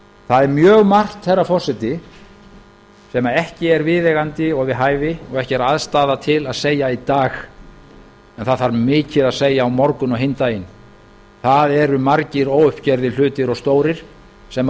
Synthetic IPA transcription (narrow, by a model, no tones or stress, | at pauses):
θaðɛɾmjœːɣmar̥t̪θɛrːafɔr̥sɪt̪ɪ | sɛmaɛhcɪɛɾvɪðɛɣant̪ɪɔɣvɪðɦaːjvɪɔɣɛhcɪɛɾaðst̪aːðat̪ʰɪlaðseːjait̪aːx | ɛnθaðvaɾmɪːcɪðaðseːjaːwmɔɾkʏnɔɦent̪ajɪn | θaðɛɾʏmaɾcɪɾɔɣʏhpcɛɾðɪl̥ʏːt̪ɪɾɔɣst̪oːwɾɪɾ̥ | sɛm